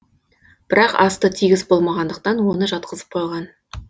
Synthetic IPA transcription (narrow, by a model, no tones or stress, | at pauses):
b̥ɪɾɑqɑ̰st̪ət̪ʰiɡʲɪzbo̞lˠmɑʁɑnd̪əq̚t̪ɑnwo̞nəʒɑt̪qəzəp̚qʰo̞jʁɑn